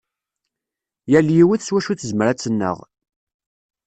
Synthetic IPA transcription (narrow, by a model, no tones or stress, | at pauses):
jæljiwiθswæʃuθzməɾæt͡sːənːə̰ʁ